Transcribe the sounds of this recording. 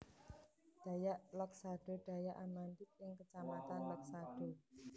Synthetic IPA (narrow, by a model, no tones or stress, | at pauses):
d̪̥a̤jaʔləksaɖ̥ɔ̤ɖ̪̥a̤jaʔanmand̪ɪk̪̚ɪŋkət͡ʃamat̪anlək̚saɖ̥o̤